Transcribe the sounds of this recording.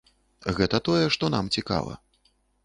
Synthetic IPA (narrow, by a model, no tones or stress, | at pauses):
ɣɛt̪ɐt̪ɔjɛʂt̪ɔnamt͡sʲika̰vˠɐ̰